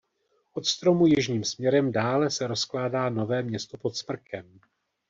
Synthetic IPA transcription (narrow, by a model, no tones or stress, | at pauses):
ʔo̞t̪st̪ɾo̞mujɪʒɲiːmsmɲɛɾɛmdaːlɛsɛɾo̞sklaːdaːno̞vɛːmɲɛst̪opo̞t̪smr̩kʰɛm